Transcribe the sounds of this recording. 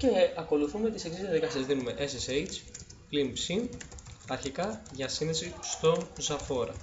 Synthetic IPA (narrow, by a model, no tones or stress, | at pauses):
ce̞ɐko̞luθume̞t̪iseksizɐðekɐsɐzðinume̞ʔesesejt͡splimpsimɐɾçikɐʝɐsinðe̞sist̪o̞nzɐfo̞ɾɐ̰